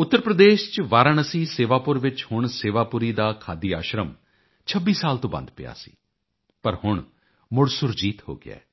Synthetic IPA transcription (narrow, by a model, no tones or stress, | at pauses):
ʊt̪ːəɾpɾəd̪eːʃt͡ʃʋaːɾəɳəsĩːseːʋaːpʊɾʋɪt͡ʃhʊɳseːʋaːpʊɾiːd̪aːkʰaːd̪iːaːʃɾəm | t͡ʃʰəbiːsaːlt̪õːbə̰nd̪pɪ̰ja̰ːsḭː | pəɾhʊɳ | mʊɽsʊɾd͡ʒiːt̪ho̰ːɡɪ̰a̰ː